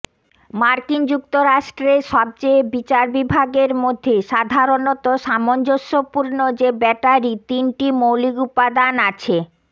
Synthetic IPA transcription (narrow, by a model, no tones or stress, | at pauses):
maɾkind͡ʑuk̚t̪oɾaʃʈɾeʃɔb̚t͡ɕebit͡ɕaɾbibʱaɡeɾmod̪ʱːeʃad̪ʱaɾonot̪oʃamond͡ʑoʃːopuɾnod͡ʑebɛʈaɾit̪inʈimowliɡupad̪anat͡ɕʰe